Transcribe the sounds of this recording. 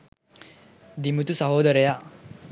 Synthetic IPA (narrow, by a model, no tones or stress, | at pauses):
d̪imut̪usɐɦoːd̪ɐɾeja